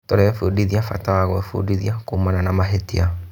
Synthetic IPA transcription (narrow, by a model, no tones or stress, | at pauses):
toɾɛfudiðiafa̰tawaɣɔɛfṵdiðiakoːmananamaɦetia